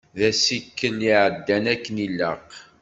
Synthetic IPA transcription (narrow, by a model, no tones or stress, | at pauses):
ðæsikːəniʕəd̪ːænækːənilːəq